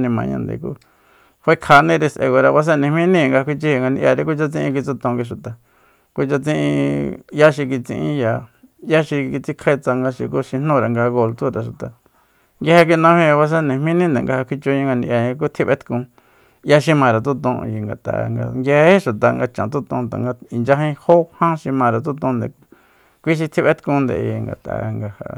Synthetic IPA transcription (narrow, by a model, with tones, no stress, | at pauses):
nĩ˧mã̰˨ɲã̰˧nd̪ḛ˨kṵ˦ | hʷe˦kʰa˧nĩ˦˧ɾe˧sʔḛ˧ɣo˨ɾa˧βa˧s̬ẽ˦nĩ˨mĩ˦nĩ˦˧ŋɡa˧a˧kʷi˧t͡ʃi˦i˧ŋɡa˧ni˧ja˧ɾe˧k̬u˦t͡ʃa˧t͡sĩ˦ĩ˧k̬i˧t͡su˧t̪õ˧ŋɡi˧ʃ̬u˨t̪a˨ | ku˦t͡ʃa˧t͡sĩ˦ʔḭ̃˧ja˦ʃi˧ki˧t͡sḭ̃˧ʔḭ̃˦ja˧˨ | ja˦ʃi˧ki˧t͡si˦kʰe˦˧t͡sa˧ŋɡa˧ʃi˧ku˦ʃi˧n̥ũ˦˧ɾa˨ŋɡa˧ɣo˧lt̪u˦ɾa˨ʃu˨t̪a̰˨ | ŋɡa˧he˧k̬i˧nã˧hĩ˧βa˧s̬e˦nẽ˨mĩ˦nĩ˦nd̪ḛ˨ŋɡa˧ha˧kʷʰi˧t͡ʃo˧ɲã˧ŋɡa˧ni˧ʔja˧ɲ̃˧k̬u˦t̪ʰi˦βe˦t̪kũ˧ | ja˦ʃ̬i˧mã˧ɾa˨t̪̬u˦t̪õ˧ji˧ŋɡa̰˨t̪a̰˨˧ŋɡa̰˧ŋɡe˧he˦ʃu˨t̪a˨ŋɡa˧t͡ʃã˨t̪̬u˦t̪õ˧t̪a̰˨ŋɡa˧i˨nd͡ʒa˧ɦĩ˧ho˦hã˦ʃi˧mã˧ɾa˨t̪u˦t̪õ˧nd̪ḛ˨ | kʷi˦ʃ̬i˧t̪ʰi˦βe˦t̪kũ˧˦˧nd̪ḛ˨jḭ˧ŋɡa̰˨t̪a̰˨˧ŋɡa˧ha̰˧